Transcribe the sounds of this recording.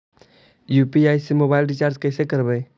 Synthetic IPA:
juːpiaːjsemoːbaːɪlɖit͡ʃaːɾd͡ʒkəɪsekəɾbeː

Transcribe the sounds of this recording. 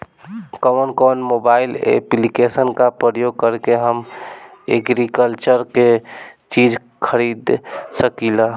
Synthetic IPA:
kəmənkɔnmobailḛplikesənkapɾəjoɡ̚kəɾkeɦəm | eɡɾikəlt͡ʃəɾket͡ʃid͡ʒ | kʰəɾid̪səkila

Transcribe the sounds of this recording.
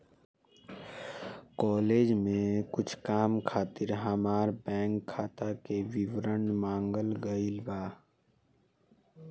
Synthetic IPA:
kɔːleːd͡ʒmẽkʊt͡ʃʰkaːmkʰaːt̪ɪɾɦamaːɾbɛ̃ːŋkʰːaːt̪akeʋiwɾəɳmãːŋɡəlɡəilbaː

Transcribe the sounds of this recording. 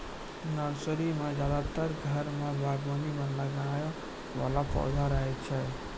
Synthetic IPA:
nəɾsəɾimãd͡ʒjaːd̪at̪əɾɡʱəɾmãbʱaɡmanimə̃nləɡaja | ʋa̰lapɔ̰ːd̪ʱaɾəɦɛt͡ʃʰɛ

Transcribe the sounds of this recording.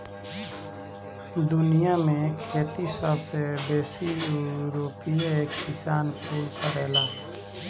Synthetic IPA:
d̪ʊnijamẽkʰɛːt̪isəbsebeːsiɾoːpijaeːkkɪsaːnpʰuːlkəɾɛːlaː

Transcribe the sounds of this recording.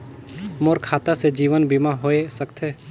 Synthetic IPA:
moːɾkʰaːt̪ased͡ʒiːʋənbimaɦoːesəkt̪ɦɛː

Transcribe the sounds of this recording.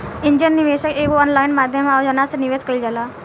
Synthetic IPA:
iɲd͡ʑənːiʋeɕəkekoɔnlajinmad̪ʱjəmawd͡ʑənasəniʋed͡zkəild͡zala

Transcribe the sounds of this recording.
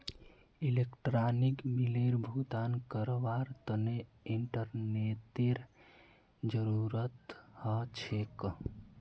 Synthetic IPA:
ilekʈɾanikbileɾbʱut̪ankəɾʋaɾt̪əne | iɳʈəɾnet̪eɾ | d͡ʒəɾuɾət̪hət͡ʃʰek

